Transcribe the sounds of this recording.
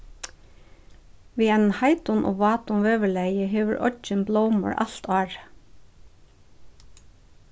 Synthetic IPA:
ʋiːɛn̩hɑɪt̪ʊnʔo̰ːʋɑːt̪ʊnʋeːʋəɭæɪəɦeːʋəɹʔɔ̰d͡ʒənbloʊmə̰ɹʔɑ̰lt̪ɑːɹ

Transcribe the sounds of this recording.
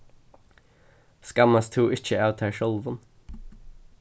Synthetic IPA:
skɑmɑst̪ʰuːʔɪc͡çəaʉt̪ʰæːʃɔlʋən

